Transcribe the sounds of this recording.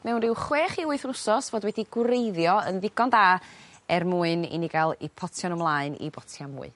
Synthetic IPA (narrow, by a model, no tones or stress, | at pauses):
mɛwnrɪwχweːχiʊɨθnʊsɔsvoːdwɛdiɡwrejðjɔənðɪɡɔndaːɛrmuːɨnḭnɪɡalˠipʰɔtʰjɔnəmlˠaɨnḭbɔtʰjamṵːɨ